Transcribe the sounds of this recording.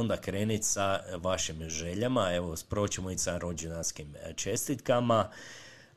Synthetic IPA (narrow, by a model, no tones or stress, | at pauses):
ond̪akɾe̞ːnit̪saʋaʃimʒe̞ʎamae̞ʋo̞spɾo̞t͡ɕemoisaɾo̞d͡ʒenaskimt͡ʃe̞st̪it̪kama